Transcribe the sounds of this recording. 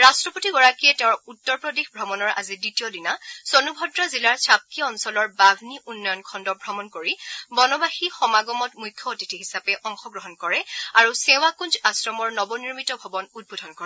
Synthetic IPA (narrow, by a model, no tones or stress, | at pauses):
ɹastɹɔpotiɡɔɹakijɛtɛ̃ʊ̃ɹutːɔɹpɹɔdexbʱɹɔmɔnɔɹa̰ziditiɔdinasɔnubʱɔdɹazilaɹsʰap̚kiɔnsɔlɔɹbabʱniʔunːɔjɔnkʰɔndɔbʱɹɔmɔnkoɹibɔnɔbaxixɔmaɡɔmɔtmujkʰjɔotitʰiɦisapɛʔɔŋxɔɡɹɔɦɔnkɔɹɛaɹusɛ̃w̃akũnd͡ʒasɹɔmɔɹnɔbɔniɹmitɔbʱɔbɔnud̚bodʱɔnkɔɹɛ